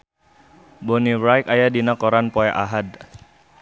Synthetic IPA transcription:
bɔnibɾajkajadinakɔɾanpɔɛʔaɦad̚

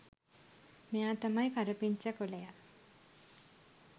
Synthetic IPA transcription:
mejaːt̪amajkaɾəpiɲt͡ʃəkoleja

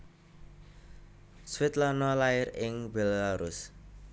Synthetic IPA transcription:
swɪt̪lanɔlaɪɾɪŋbelaɾʊs

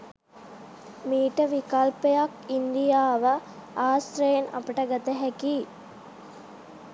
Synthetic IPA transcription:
miːʈəʋikalpejakind̪ijaːʋə | aːst̪ɾejena̰pəʈəɡat̪əɦɛkiː

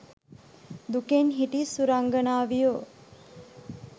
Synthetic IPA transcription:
d̪ukenɦiʈisuɾaŋɡənaːʋijo

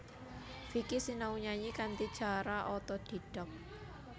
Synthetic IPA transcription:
fikisinauɲaɲikant̪id̥ʒ̥a̤ɾaʔɔt̪ɔd̪̥i̤d̥ɔp̚

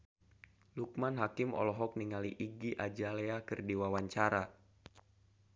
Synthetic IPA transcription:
luk̚manɦakimɔ̰lɔɦɔk̚niŋaliʔiɡiʔad͡ʒaleakɨrdiwawaɲt͡ʃaɾa

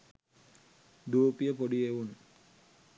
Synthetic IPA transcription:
d̪uːpijəpoɖieʋun

